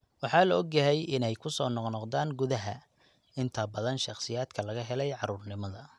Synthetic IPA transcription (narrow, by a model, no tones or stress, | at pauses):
wɑħɑːlɐɔɡjɐɦɛjɪnɛjkʰʊsɔːnɔqnɔqd̪ðaːŋɡʊðɐɦɐ | ɪnt̪ʰɐbɐðɐnʃɑχsɪjaːd̪kʰɐlɐɣɐɦɛlɛjʕɑɾuːrnɪmɐðɐ